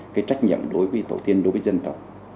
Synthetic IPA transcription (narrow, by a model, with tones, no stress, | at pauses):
kaː˨˦jt͡ɕa˦˥jk̟̚ɲə̰˧˨mɗo˨˦jvəː˨˦jt̪ʰə̰˧˩wt̪i˧ənɗo˨˦jvəː˨˦jzə˧nt̪ə˨˩wk͡p̚